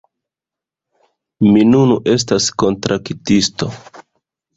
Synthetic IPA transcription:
minunuʔe̞s̬tasko̞ntɾʔaktisto̞

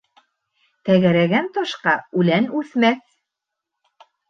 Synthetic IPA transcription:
t̪æɣæɾæɡænt̪oʃqɑʉlænʉθmæθ

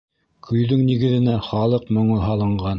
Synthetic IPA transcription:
kʰɵ̆jðɵŋniɡɘ̆ðɘ̆næχɑlˠɤqmŏɴɤɦɑlˠɤ̆ɴɢɑn

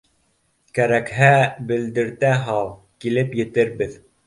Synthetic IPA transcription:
kæɾækɦæbɘ̆ld̪ɘ̆ɾt̪æɦɑlˠ | kilɘpjɘ̆t̪ɘɾbɘð

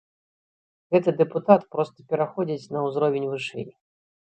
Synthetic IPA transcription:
ɣɛt̪ɨd̪ɛput̪at̪pɾɔst̪ɐ̥pʲɛɾaxɔd͡zʲit͡sʲnɐwzɾɔvʲɪnʲvɨʂɛ̰j

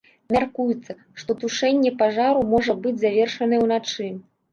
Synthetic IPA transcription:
mʲarkujut̪sːɐ | ʂt̪ɔt̪uʂɛnʲːɛpaʐaɾumɔʐɐbɨd͡zʲzavʲɛrʂɐnɐɛwnat͡ʂɨ

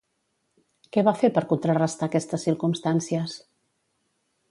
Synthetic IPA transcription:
kɛβafeɾpəɾkunt̪ɾərəst̪aːkɛst̪əsːiɾkumst̪ansiəs

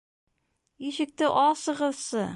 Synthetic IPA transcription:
iʃɘ̆k̚t̪ɘʔɒsɤ̆ʁɤ̆ðsɤ

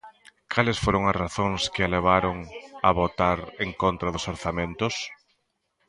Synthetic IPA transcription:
kʰalɪsfoɾoŋazraθõŋskɪaleβ̞aɾʊŋa̰βot̪aɾeŋkont̪ɾaðʊsoɾθamẽnt̪ʊs

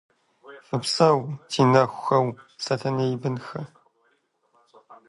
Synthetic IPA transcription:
ɨpsɐwtʰiːnɐxʷxɐwsɐtʰɐnejbɨnxɐ

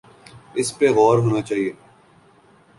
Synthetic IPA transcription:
ɪspeɣɔːɾɦoːnat͡ʃaːɦieː

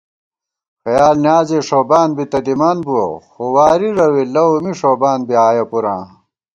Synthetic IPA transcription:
xɐjaːlnjaːzeːʂoːbaːnbit̪ɐd̪imaːnbuwɐ̰xowaːɾiɾɐwilɐumiʂoːbaːnbiaːjɐpuɾã̰ː

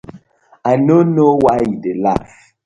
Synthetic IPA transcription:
anonowaidela̰f

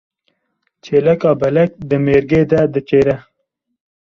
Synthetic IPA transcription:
t͡ʃelɐkɑːbɐlɐk̚d̪əmeɾɡed̪ad̪ət͡ʃeɾa

